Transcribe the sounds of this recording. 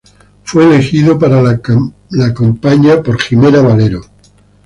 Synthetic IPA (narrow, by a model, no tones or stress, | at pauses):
fweːlexiðopaɾa | lakompaɲapo̞ɾximeɾaβaleɾo